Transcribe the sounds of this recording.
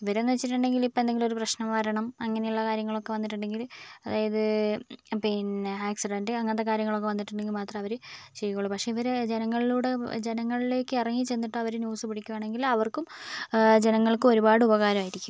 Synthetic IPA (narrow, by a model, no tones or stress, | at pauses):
iʋɐɾenːuʋet͡ɕːiʈːuɳɖe̞ŋɡilipːond̪e̞ŋɡilo̞ɾuprɐɕnɐmʋɐɾɐɳɐmɐŋːɐne̞juɭːɐkaːɾjɐŋːɐɭo̞kːe̞ʋɐnːiʈ̬ːuɳɖe̞ŋɡilɐðaːjɐðɨ | pinaːksiɖɐnɖɨɐŋːɐnt̪ːekaːɾjɐŋːɐɭo̞kːe̞ʋɐnːiʈːuɳɖe̞ŋɡilmaːt̪rɐmɐʋɐɾɨɕeɾikoɭːupɐkʂeiʋɐɾed͡ʑenɐŋːɐɭiluːɽe̞d͡ʑe̞nɐŋːɐɭile̞ːkːɨirɐŋːit͡ɕe̞nːiʈːɨɐʋɐɾɨnjuːsɨpiɽikʲːuaːɳe̞ŋɡilɐʋɐrkum | d͡ʑe̞nɐŋːɐɭkumo̞ɾubaːɽɨubɐɣaːɾɐmaːjiɾikʲːum